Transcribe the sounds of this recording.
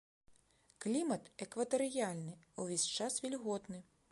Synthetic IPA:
klʲimɐt̪ekʋɐt̪eɾɪjɑlʲnɪuʋʲisʲt͡ʃɑsʋʲilʲɦɔt̪nɪ

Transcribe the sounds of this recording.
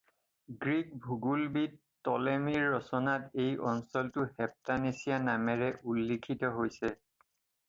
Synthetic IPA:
ɡɹik̚bʱuɡulbit | tɔlemiɹːɔsɔnatejʔɔnsɔltʊhɛp̚tanesijanamɛɹɛʔulːikʰitɔɦojsɛ

